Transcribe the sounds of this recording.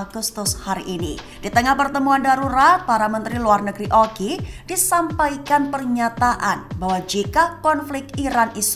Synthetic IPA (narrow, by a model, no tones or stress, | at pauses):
aɡust̪ʊshaɾiʔːni | d̥it̪əŋahpərt̪əmuandaɾuɾat̪̚paɾamənt̪ɾiluarnəɡɾiʔɔkid̥isampajkanpərɲat̪aʔanbawad͡ʒikakɔnflɪkk̚t̪iɾanis